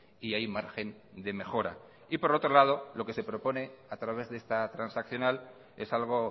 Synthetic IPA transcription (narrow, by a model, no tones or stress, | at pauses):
iajmaɾxe̞n | d̪e̞me̞xo̞ɾa̰ | ipo̞ɾo̞t̪ɾo̞lað̞o̞lo̞ke̞se̞pɾo̞po̞ne̞at̪ɾaβe̞zðest̪at̪ɾansakθjo̞nal | e̞̰salɣ̞o̞